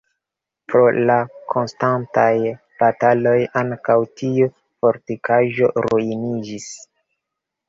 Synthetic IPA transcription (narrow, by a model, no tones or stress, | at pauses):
pɾo̞lakʰo̞nstantaj | b̥atalo̞jaŋkawtʰiu | fo̞ɾtikaʒo̞̰ɾuinid͡ʒis